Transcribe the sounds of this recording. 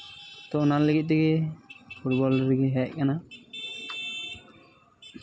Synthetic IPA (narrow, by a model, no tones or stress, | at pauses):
t̪ɔnanləɡit̪̚d̪ɛɡɛpʰuʈ̚bɔlɾɡeɦɛʔ̚kana